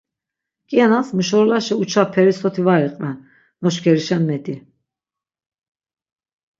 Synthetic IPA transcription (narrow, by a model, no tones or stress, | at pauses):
kʼianasmuʃɔɾlaʃɛut͡ʃʰapʰɛɾisɔt̪ʰivaɾiqʼvɛnː | ɔʃkʰɛɾiʃɛnmɛt̪ʼi